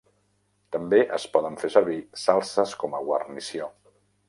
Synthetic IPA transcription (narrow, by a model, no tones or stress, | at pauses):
t̪əmbeʔə̰spɔðəɱfesəɾβ̞isalˠsəskɔməɣwə̰rnisio